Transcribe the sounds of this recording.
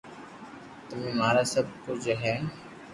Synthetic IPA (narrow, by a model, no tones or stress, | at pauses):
t̪ʊmẽːmaːɾaːsəb̚kʊt͡ʃɦɛː